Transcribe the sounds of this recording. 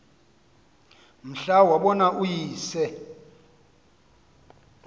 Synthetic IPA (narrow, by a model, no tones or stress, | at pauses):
m̩ɬawaɓɔnaʔujiːsɛ